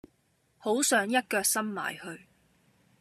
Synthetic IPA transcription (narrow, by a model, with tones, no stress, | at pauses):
ho˨˥wsœː˨˥ŋjɐ˥t̚kœː˧k̚sɐ˥mma̰ː˨˩jhɵ˧ɥ